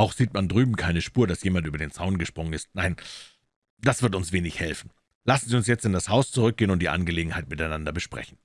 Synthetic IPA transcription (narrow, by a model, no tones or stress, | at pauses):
ʔaʊxz̥iːtmandʁyːbm̩kʰaɪnəʃpuːɐdasjeːmantyːbɐdeːnt͡saʊnɡəʃpʁ̥ʊŋənɪst̚naɪn | d̥asv̥ɪɐtʊnsv̥eːnɪçhɛlfn̩ | lasn̩ziːʊnsjɛt͡stɪndashaʊst͡suʁʏk̚ɡ̥eːənʊntd̥iːʔa̰nɡəleːɡŋ̩haɪtmɪtaɪnandɐbəʃpʁ̥ɛ̰çn̩